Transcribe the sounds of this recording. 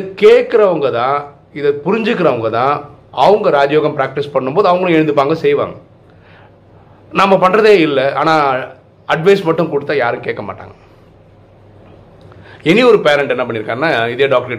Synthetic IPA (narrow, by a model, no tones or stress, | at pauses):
ɪkeːʈkːɪɾɐʋɐŋɡɐt̪ãː | ɪðɐpʊɾɪɲd͡ʒɯkːɪɾɐʋɐŋɡɐt̪ãː | ɐʋɐŋɡɐɾaːd͡ʒɐjoːɣɐmpɾaːk̚ʈɪspɐɳːɯmpoːðɯɐʋɐŋɡɐɭʊ̃ɛɽɯnd̪ɯpːaːŋɡɐsɛjʋa̰ːŋɡɐ | nɐmːɐpɐɳːɾɐðeːɪlːɛa̰ːnãː | ɐɖʋɐɪsmɐʈːɯmkʊɽɯt̪ːajaːɾɯ̃keːkːɐmaːʈːa̰ːŋɡɐ | ɛniɔɾɯpeːɾɛɳʈɛnːɐpɐɳːɪɾɯkːaːɐnaːɪðjeːɖaːk̚ʈɐɾɪ